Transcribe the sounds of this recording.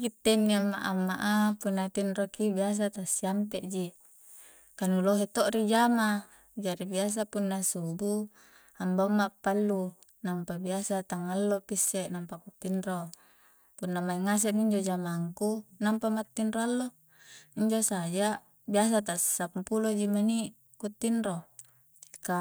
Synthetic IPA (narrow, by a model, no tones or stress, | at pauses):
kit̪ːenːiamːa̰ʔamːaʔapunːat̪inrokibias̬at̪asiampeʔd͡ʒi | kanuloɦet̪oʔɾid͡ʒama | d͡ʒaɾibias̬apunːasubu | ambamːapːalːu | nampabiasat̪aŋalːopisːeʔnampakut̪ːinro | punːamaiŋas̬eʔniɲd͡ʒod͡ʒamaŋkunampamat̪ːinɾoalːo | iɲd͡ʒosad͡ʒa | bias̬at̪assapulod͡ʒimani | kut̪ːinɾo | ika